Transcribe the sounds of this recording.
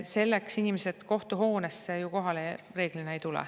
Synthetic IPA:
se̞lːeksinimese̞d̪̥ko̞ht̪uɦo̞ːnesejuko̞ɦɑlere̞ːɡ̥lineejt̪ulɛ̰

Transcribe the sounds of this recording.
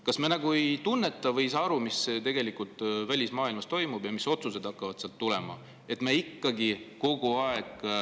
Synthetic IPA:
kɑsmenɑɡ̥uejt̪unːe̞t̪ːˑɑvɤ̞jsɑːɑɾumist̪e̞ɡ̥e̞likult̪ˑvælʲismɑːilmɑst̪o̞jmub̥jɑmiso̞t̪suse̞d̪̥ɑkːɑvɑd̪̥seɑlt̪ːule̞mɑ̰ | e̞t̪me̞ikːɑɡiko̞ɡ̥uɑeɡ̥

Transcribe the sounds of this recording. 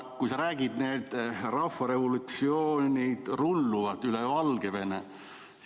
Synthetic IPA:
kujsɑɾæːɡ̥id̪̥neːd̪̥rɑfːɑɾe̞volut̪sioːnʲid̪̥rulːuvɑt̪ːyleɑlɡ̥eve̞nḛ

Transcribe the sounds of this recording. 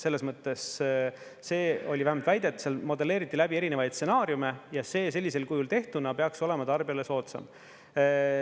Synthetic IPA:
se̞lːesmɤt̪ːˑe̞sː | e̞ːo̞lʲivæhemɑlt̪væjd̪̥e̞t̪ːseɑlmo̞d̪e̞le̞ːɾit̪ˑːilæbie̞ɾinevɑjd̪̥se̞nɑːɾjume̞jɑse̞ːse̞lːise̞lkujult̪e̞ht̪unɑpe̞ɑkso̞le̞mɑt̪ɑrb̥iɑle̞so̞ːt̪sɑ̰m

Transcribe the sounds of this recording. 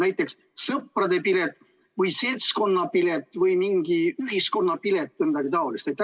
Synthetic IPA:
næjt̪ːˑe̞ks | sɤpːrɑd̪e̞pilet̪ | vɯjse̞lʲt̪sko̞nːɑpilet̪ːˑvɯjmiŋɡ̥iyɦisko̞nːɑpilet̪ːenid̪̥ɑɡ̥it̪ɑolist̪et̪ːˑ

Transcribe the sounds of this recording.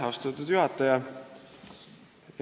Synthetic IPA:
ɑst̪ut̪ːud̪̥juɦɑt̪ːˑɑjɑ

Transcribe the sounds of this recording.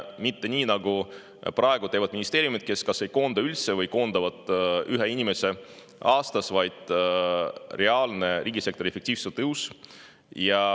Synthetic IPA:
mit̪ːe̞nʲiːnɑɡu | prʔɑe̞ɡut̪e̞ːvɑd̪̥̚minist̪e̞ːɾjumit̪̚ke̞skɑse̞jko̞ːnd̪̥ɑylt̪se̞vɤjko̞ːnd̪̥ɑvɑd̪̥ˑyɦeinʲime̞se̞ | ʔɑːst̪ɑsvɑjd̪̥ | re̞ɑːlne̞ɾʔiːɡʲise̞kt̪o̞ɾiefek̚t̪iːv̥selt̪ɤuws | jɑ

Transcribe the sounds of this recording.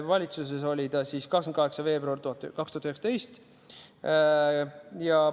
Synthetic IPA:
vɑlʲit̪sus̬eso̞lʲid̪ɑsiːskɑksɑn̚kɑɦe̞ksɑve̞ːbruɑrt̪uɑt̪ːkɑkst̪uhɑt̪yheksɑt̪e̞jst̪ | jɑ

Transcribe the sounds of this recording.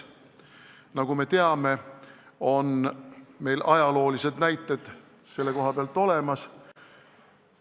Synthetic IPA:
nɑɡ̥ume̞t̪e̞ɑme̞ | o̞nme̞jlʔɑjɑlo̞ːlise̞d̪næjt̪ːˑe̞d̪̥ | se̞lːe̞ko̞ɦɑpeɑlt̪ːˑo̞le̞mɑs

